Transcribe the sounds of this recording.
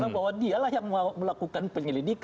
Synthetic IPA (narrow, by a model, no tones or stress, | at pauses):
abawadialahjaŋməməlakukanpəɲəlidik